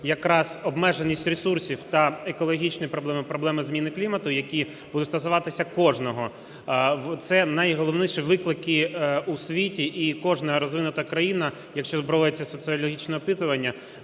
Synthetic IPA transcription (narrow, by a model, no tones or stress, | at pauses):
jɐkɾɑz̥ɔbmɛʒenʲːisʲtʲresursʲiwt̪ɐekɔlˠɔɦʲit͡ʃnɪipɾɔblˠɛmɪpɾɔblˠɛmɪzmʲinɪklʲimɐt̪ʊjɐkʲi | bud̪ʊt̪ʲst̪ɐsʊʋɑt̪ɪsʲɐkɔʒnɔɦɔ | t̪sɛnɐjɦɔlˠɔwnɪʃiʋɪklˠɪkɪusʲʋʲitʲiʔikɔʒnɐɾɔzʋɪnʊt̪ɐkɾɐjinɐ | jɐkʃt͡ʃɔzbɾɔʋɔjɪt͡sʲːɐsɔt̪sɨɔlʲɔɦʲit͡ʃnɛɔpɪt̪ʊʋɐnʲːɐ